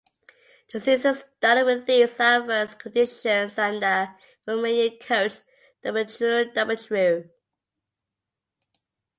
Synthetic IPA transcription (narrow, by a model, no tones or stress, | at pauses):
ðəsɪsəstɑˑɾəd̚wɪðisɜvəskʰədɪʃə̃nzə̃nðə | ɹomənikʰoʊs | d̥ʌbl̩tʰɹʉdʌbl̩tʰɹʉ